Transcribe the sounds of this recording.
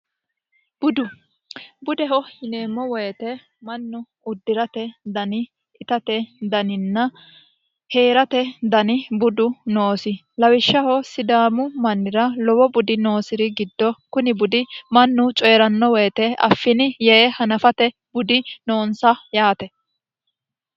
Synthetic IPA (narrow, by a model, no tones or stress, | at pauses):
b̥ʊd̪ʊ | bʊd̪ɛɦɔhɪneːmːɔwɔjt̪ɛ | mɐnːʊ | ʊd̪ːɪɾɐt̪ɛd̪ɐnɪ | ɪt̪ɐt̪ɛd̪ɐnɪnːɐ | he̞ːɾɐt̪ɛd̪ɐnɪbʊd̪ʊnoːsɪ | lɐwɪʃːɐhɔsɪd̪aːmʊmɐnːɪɾɐlɔwɔbʊd̪ɪno̞ːsɪɾɪɡɪd̪ːɔkʊnɪbʊd̪ɪmɐnːʊt͡ʃʼɔjɛɾɐnːɔwɔjt̪ɛɐ̰fːɪnɪjɛhɐnɐfɐt̪ɛ | bʊd̪ɪnoːnsɐjaːt̪ɛ